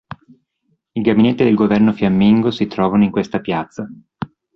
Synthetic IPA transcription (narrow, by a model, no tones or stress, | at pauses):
iɡavinet̪ːid̪elɡovɛrnofjamːiŋɡosit̪ɾɔːvanoiŋkwest̪apjat̪sːa